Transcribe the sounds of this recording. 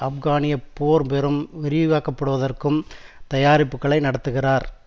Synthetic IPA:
ɐfɡaːnɪjɐpːoːɾpɛɾɯmʋɛɾɪjɯɣaːkɐpːɐɽɯʋɐðɐrkɯmt̪ɐjaːɾɪpːɯkːɐɭɐɪnɐɽɐt̪ːɯɣɪraːɾ

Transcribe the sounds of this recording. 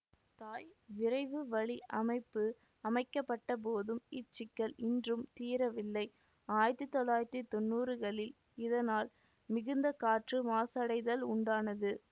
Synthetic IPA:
t̪aːjʋɪrɐɪʋɯʋɐɭiʔɐmɐɪpːɯ | ɐmɐɪkːɐpːɐʈːɐp̬oːðɯmɪt͡ʃːɪkːɐɭɪndrɯmt̪iːɾɐʋɪlːɐɪ | aːjɪɾt̪ːɯt̪ːɔlːaːjɪɾt̪it̪ɔnːuːrɯɣɐɭɪl | ɪðɐnaːl | mɪɣɯnd̪ɐkaːʈrɯmaːsɐɽɐɪðɐlʊɳɖaːnɐðɯ

